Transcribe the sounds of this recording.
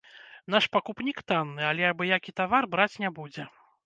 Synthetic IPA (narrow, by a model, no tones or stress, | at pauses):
naʂpakupnʲikt̪anːɨalʲɛabɨjakʲit̪avarbɾat͡sʲnʲɛbud͡zʲɛ